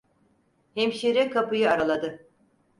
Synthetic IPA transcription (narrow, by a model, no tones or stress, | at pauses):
hemʃiɾɛkʰapɯjɯaɾalˠad̪ɯ